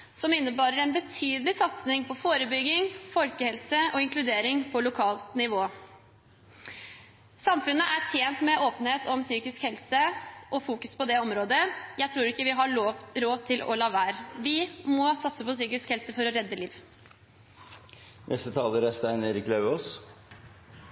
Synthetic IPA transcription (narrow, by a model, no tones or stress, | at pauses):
sɔmɪnːəbɑːɾəɾɛnbət̪ʰyːd̪lɪsɑt̪snɪŋpʰɔfoːɾəbʏɡːɪŋfɔlkəhɛlsəʔɔɪŋklʉd̪eːɾɪŋpʰɔlʊkʰɑːlt̪nɪʋoː | sɑmfʉnːəʔæʈʰjeːnt̪mɛʔoːpənheːt̪ʰɔmsyːkɪskhɛlsəʔɔfuːkʉspɔd̪ɛɔmɾoːd̪əjæɪt̪ʰɾuːɾɪkːəʋɪɦɑɭoʋɾoːʋt̪ʰɪlʔɔ̰lɑːʋæːɾʋɪmɔsɑt̪səpɔsyːkɪskhɛlsəfɔɾɔɾɛd̪ːəliːʋ | nʔɛ̰st̪ət̪ʰɑːləɾæst̪æɪneːɾɪklɑʉoːs